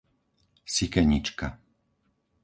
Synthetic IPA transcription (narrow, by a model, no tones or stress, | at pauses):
sikɛɲit͡ʃka